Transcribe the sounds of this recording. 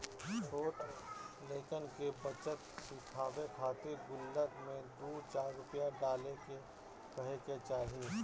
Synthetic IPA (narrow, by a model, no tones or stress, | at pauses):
t͡ʃʰoːʈleːkənkebət͡ʃət̪sɪkʰaːʋekʰaːt̪eɡʊlːək̪mẽd̪oːt͡ʃaːɾːʊpjãɖaːleke | pəɦeket͡ʃaːɦi